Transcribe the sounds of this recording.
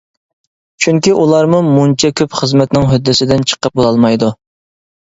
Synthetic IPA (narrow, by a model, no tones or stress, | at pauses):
t͡ʃʰyŋkʲiʔulˠɑɾmumunt͡ʃʰɛkʲʰøpχəzmɛt̪nɪŋɦød̪ːɪsɪd̪ɪnt͡ʃʰə̥qəp̚bolˠɑlˠmɑjd̪u